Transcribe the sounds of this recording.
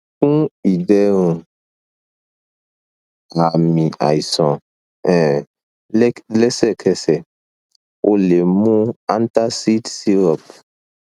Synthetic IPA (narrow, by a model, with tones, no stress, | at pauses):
kũ˦i˨dɛ˦ɾũ˨ | a˨mĩ˨a̰˨i˨sɔ̃˨ | ɛ̃˨˦ | lɛ˦sɛ˦kʰɛ˦sɛ˨ | ʔo˨le˨mũ˦a˦n˦t̪a˦si˦tsi˦ɾɔ˨p